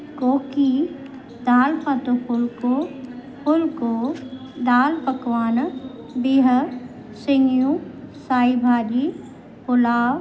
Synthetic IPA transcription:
koːki | d̪aːlpat̪opʊlko | pʊlko | d̪aːlpəkʋaːn | biɦə | sɪŋjũsaːibʱaːɾi | pʊlaːʋ

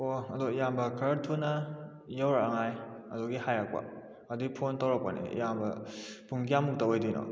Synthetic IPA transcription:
oɐdojambɐkʰɐɾtʰunɐ | jawɾaaŋajɐ̰dɔɡihajak̚pa̰ | adiɡipʰontawɾak̚panḭjambɐpʰuŋɡijamuk̚taojdijnɔ̰

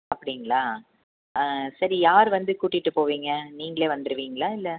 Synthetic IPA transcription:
ɐpːɐɽɪŋɡɐɭaː | sɐɾijaːɾʋɐnd̪ɯkuːʈːɪʈːɯpoːʋiːŋɡɐniːŋɡɐɭeːʋɐnd̪ɯɾɯʋiːŋɡɐɭaːɪlːɛ

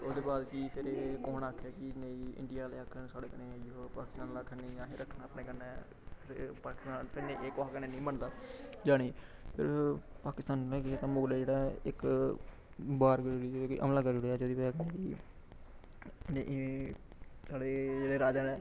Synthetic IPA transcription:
od̪eːpaːd̪kiːpʰɪɾeːkoːnaːkʰːaːkɪnəĩːɪ̰̃ɳɖijaːleːaːkʰːəɳsaːɽeːkənẽːoːpaːkɪst̪ãːnlaːkʰənnĩːaːɦeːɾəkʰːnaːpneːkəɾnɛː | pʰɪɾpaːkɪ̥st̪aːnpʰɪɾneːʔeːkakənẽːnĩːməɳd̪aːd͡ʒaːɽiːpʰɪ̰ɾpaːkɪst̪aːnleːkeːt̪ãːmoːɡleːd͡ʒeːɽaːɪk | baːɾɡɾɽiːd͡ʒoeːkoiːʔə̰mlãːkəɾɽejaːd͡ʒoːd̪iːpːkəneːki | n | saːɽeːd͡ʒeːɽeːɾaːd͡ʒaːɛː

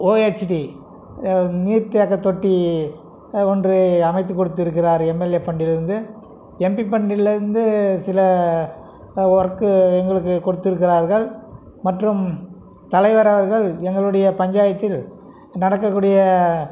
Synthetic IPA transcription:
oːet͡ʃʈi | niːɾt̪ːɪjaːkɐt̪ːɔʈːi | ɔndrɯɐmɐɪt̪ːɯkːɔɽɯt̪ːɪɾɯk̬ːɪraːɾɛmːɛlepːɐɳɖɪlɪɾɯnd̪ɯ | ɛmpipːɐɳɖɪlɪɾɯnd̪ɯsɪlɐ | ɔɾɐkːɯɛŋɡɐɭɯkːɯkːɔɽɯt̪ːɪɾɯk̬ːɪraːɾɣɐɭ | mɐʈrɯm | t̪ɐlɐɪʋɐɾɐʋɐɾɣɐɭɛŋɡɐɭɯɽɐjɐpɐɲd͡ʒaːjɐt̪ːɪl | nɐɽɐkːɐkːuːɽɪjɐ

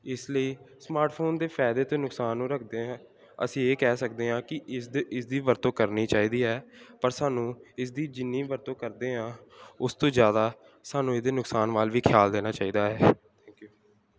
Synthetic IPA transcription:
ɪsləiːsmaːɾʈpʰoːnd̪eːpʰɛːd̪eːt̪õːnʊksaːnːũːɾəkʰd̪eːɦãː | ə̰sĩːeːkɛːsək̚d̪eːɦãːkɪʔɪsd̪ɪsd̪iːʋəɾt̪õːkəɾniːt͡ʃaːiːd̪iːɦɛːpəɾsaːnũːɪs̬d̪iːd͡ʒɪnːĩːʋəɾt̪õːkəɾd̪eːɦãːʊst̪õːzjaːd̪aː | saːnũːeːd̪eːnʊksaːnʋaːlʋiːkʰjaːld̪eːnaːt͡ʃaːiːd̪aːɦɛː | t̪ʰɛ̃ːŋkjuː

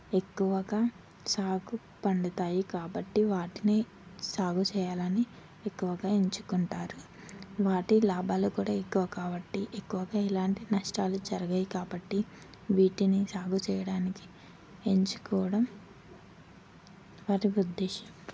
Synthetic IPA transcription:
e̞kːuʋɐɡaː | saːɡu | pɐɳɖɐt̪aːjikaːbɐʈːiʋaːʈineː | saːɡut͡ʃɛːjaːlɐni | ekːuʋɐɡaːeɲt͡ʃukuɳʈaːɾu | ʋaːʈilaːbʱaːlukuːɽaːekːuʋɐkaːbɐʈːiʔekːuʋɐɡaːilaːɳʈinɐʂʈaːlud͡ʒɐɾɐɡɐjikaːbɐʈːi | ʋiːʈinisaːɡut͡ʃɛːjɐɽaːniki̥ | eɲt͡ʃu̥kɔːʋɐɽɐm | ʋaːʈiud̪ːɛːʃɐm

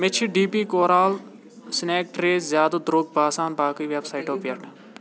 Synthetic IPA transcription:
mɪt͡ʃʰiɖiːpiːkoːɾaːl | sɪneːk̚ʈɾeːzjaːd̪od̪ɾoːɡ̚baːsaːnbaːkəiːʋeːbsaːiʈoːpjeʈ

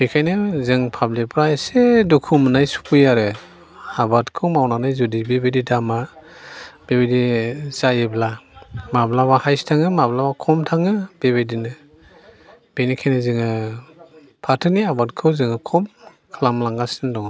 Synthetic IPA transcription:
hekʰajnɯzɯŋpʰablipʰɾaesedukʰumnajsu̥pʰujaɾɯ | abatkʰɯwmawnanajzudibebedidama | b̥ebedizajeblamablabahajstʰaŋɯmablabakʰɔmtʰaŋɯb̥ebedinɯ | b̥enikʰajnɯzɯŋɯ | pʰatʰɯniabatkʰɯwzɯŋɯkʰɔm | kʰlamlaŋɡasɯndɔŋ

